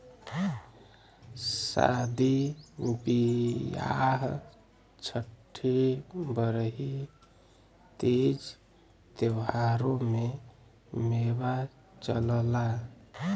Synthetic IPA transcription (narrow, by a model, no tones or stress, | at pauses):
sa̰d̪iubija̰ɦ | t͡ʃʰəʈʰːibəɾɦi | t̪ed͡ʒ | t̪ewɦaɾome | meβa | t͡ʃələla